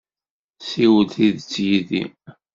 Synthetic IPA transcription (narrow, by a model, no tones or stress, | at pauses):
siwəlθiðt͡sːjiðḭ